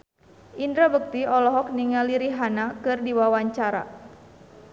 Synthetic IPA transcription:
ʔindɾabək̚t̪iɔlɔɦɔk̚niŋaliɾiɦanakɨrdiwawaɲt͡ʃaɾa̰

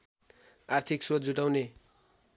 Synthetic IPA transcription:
art̪ʰiksot̪̚d͡zuʈawne

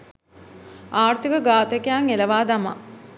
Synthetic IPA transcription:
aːrt̪ikəɡaːt̪ekejaŋeləʋaːd̪ama̰

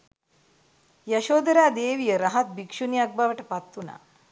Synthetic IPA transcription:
jɐʃoːd̪ɾaːd̪eːʋijɐɾɐɦɐt̪̚bikʂunijaɡ̚baʋɐʈɐpɐt̪ːuna̰

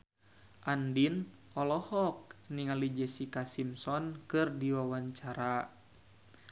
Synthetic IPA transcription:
ʔandin | ɔlɔhɔk̚niŋalid͡ʒɛsikasimsɔnkɨrdiwawaɲt͡ʃaɾa

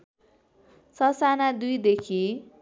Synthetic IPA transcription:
sʌsanad̪ujd̪ekʰi

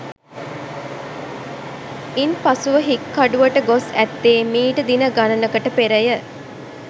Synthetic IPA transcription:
inpasuʋəɦikːɐɖuʋɐʈəɡosæt̪ːeːmiːʈəd̪inəɡanɐnəkəʈəpeɾəjə

